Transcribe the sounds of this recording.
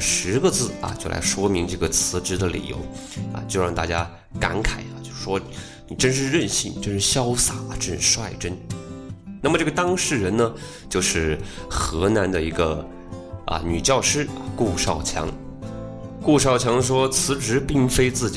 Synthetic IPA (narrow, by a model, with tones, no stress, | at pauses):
ʂɻ̩˧˥ɡə˧t͡sɹ̩˥˩ɐ̰˨t͡ɕjo˥˧ʊlʔa̰˧˥ɪʂwɔ˥mi˧˥ŋʈ͡ʂɤ˥˩ɡə˩t͡sʰɹ̩˧˥ʈ͡ʂɻ̩˧˥d̪ə˧lḭ˨˩jo̰˧˥ʊɐ̰˧˩t͡ɕjo˥˧ʊɻɑ˥˧ŋt̪a˥˩t͡ɕja˥ | ka̰˧˥nkʰa˨˩ɪɐ˦t͡ɕjo˥˧ʂɻ̩˩ʂwɔ˥ | ni˨˩ʈ͡ʂə˥nʂ̬ɻ̩˥˧ɻə˥˧nɕi˥˩ni˨˩ʈ͡ʂə˥nʂɻ̩˥˩ɕjɑ˥ʊsa˨˩ɐ˦ʈ͡ʂə˥nʂɻ̩˥˧ʂwa˥˩ɪʈ͡ʂə˥n | na˥˩mə˩ʈ͡ʂɤ˥˩ɡə˩t̪ɑ˥ŋʂɻ̩˥˩ɻə˧˥nnə˧ | t͡ɕjo˥˧ʊʂɻ̩˥˩xɤ˧˥na˧˥nd̪ə˧i˧˥ɡə˧ | ɐ̰˧ny˨˩t͡ɕjɑ˥˧ʊʂɻ̩̰˥˧ku˥˧ʂɑ˥˩ʊt͡ɕʰjɑ̰˧˥ŋ | ku˥˧ʂɑ˥˩ʊt͡ɕʰjɑ˧˥ŋʂwɔ˥t͡sʰɹ̩˧˥ʈ͡ʂɻ̩˧˥pi˥˩ŋfe˥ɪt͡sɹ̩˥˩t͡ɕi˨